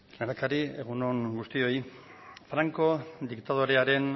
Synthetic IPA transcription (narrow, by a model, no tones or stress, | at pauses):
leɾakaɾie̞ɣ̞uno̞ŋɡust̪io̞j | fɾaŋko̞d̪ikt̪að̞oɾe̞aɾe̞n